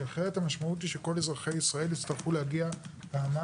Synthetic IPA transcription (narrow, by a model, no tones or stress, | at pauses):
aχe̞ʁethamaʃmaut̬iʃeko̞le̞zʁaχe̞jisʁae̞lit͡st̪aʁχuleaɡia | beama